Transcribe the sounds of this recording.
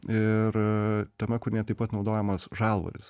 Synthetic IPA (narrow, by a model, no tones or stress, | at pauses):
ɪrt̪ʲɛmʲɛkʊɾʲnʲiɛt̪ɐɪpɐt̪nɒʊd̪oːjɛmɐsʒɑːlˠʋɐ̰ɾʲɪ̰s